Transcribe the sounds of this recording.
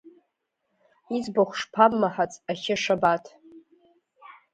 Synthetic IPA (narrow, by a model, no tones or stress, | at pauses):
id͡zbaχʷʂpʰammaħat͡sʼaχʲɪʂabatʰ